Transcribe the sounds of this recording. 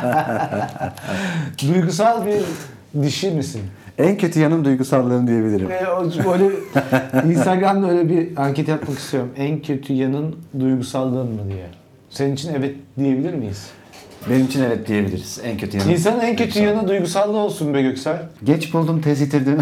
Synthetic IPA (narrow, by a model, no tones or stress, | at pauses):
d̪ujɡus̬alˠbiɾ | d̪iʃimisin | æncʰø̞t̪ʰyjanɯnd̪ujɡusalˠːɯːnɯd̪ije̞bilʲiɾimɛobøjlʲɛ | inst̪aɡɾamd̪ø̞jlʲɛbiaɲcet̪ʰijat̪maki̥st̪ʰijo̞ɾumæncʰø̞t̪ʰyjanɯnd̪ujɡusalˠːɯːnmɯd̪ijɛ | seninit͡ʃʰinɛvɛt̪̚d̪ije̞bilʲiɾmijiz | benimit͡ʃʰinevɛt̪̚d̪ije̞bilʲḭɾiz̥ænkcʰøt̪ʰyjanins̬anɯnæncʰø̞t̪ʰyjanɯd̪ujɡusalˠːɯo̞lˠsunbɛɟøcsælʲɟɛt͡ʃbulˠd̪uːmt̪ʰɛzɟet̪ʰiɾd̪im